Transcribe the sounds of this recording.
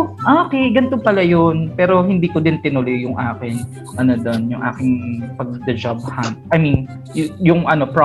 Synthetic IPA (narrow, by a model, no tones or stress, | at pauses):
ʔoːkɛjɡɐnt̪opɐlajonpɛːɾo̞hɪnd̪iːkod̪ɪnt̪ɪnʊlojʊŋʔaːkɪn | ʔɐnod̪onjʊŋʔa̰ːkɪŋpɐɡ̚d̪ɐd͡ʒab̚hamt̪̚ʔɐjmin | jʊŋʔɐno̞pɹ